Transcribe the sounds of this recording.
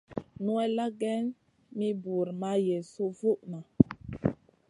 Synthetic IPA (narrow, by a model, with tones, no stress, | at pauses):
nu˦ɛ˦la˦ɡɛ˦n | mi˦bu˨ɾma˦je˨so˦vu˦ʔma˨